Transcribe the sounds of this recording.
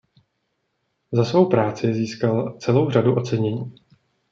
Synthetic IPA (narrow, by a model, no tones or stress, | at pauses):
zasvo̞wpɾaːt͡sɪziːskalt͡sɛlo̞wraduʔo̞t͡sɛɲɛɲiː